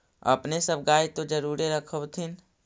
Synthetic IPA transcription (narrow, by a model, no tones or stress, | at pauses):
ɐ̰pnesəb̚ɡaːet̪od͡ʒəɾuːɾeɾəkʰəwt̪ʰɪn